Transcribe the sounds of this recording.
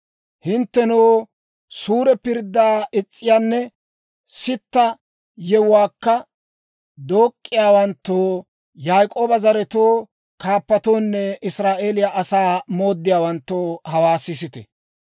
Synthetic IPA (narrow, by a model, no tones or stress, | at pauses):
hɪnt̪ːɛnoː | suːɾɛpɪɾd̪ːaːʔɪt͡sʼːɪjaːnːɛ | sɪt̪ːɐ | jɛwʊwaːkːɐ | d̪o̞ːkʼːɪjaːwɐnt̪ːoː | jaːjkʼoːbɐzɐɾɛt̪oː | kaːpːɐt̪o̞ːnːɛʔɪsɾaːʔe̞ːlɪjaʔɐsaːmo̞ːd̪ːɪjaːwɐnt̪ːoːhɐwaːsɪsɪt̪ɛ̰